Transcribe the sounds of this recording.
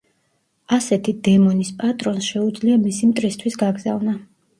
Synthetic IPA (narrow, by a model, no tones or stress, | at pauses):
asɛt̪ʰid̪ɛmɔnispʼat̪ʼɾɔnsʃɛud̪zliamisimt̪ʼɾist̪ʰwisɡaɡzavna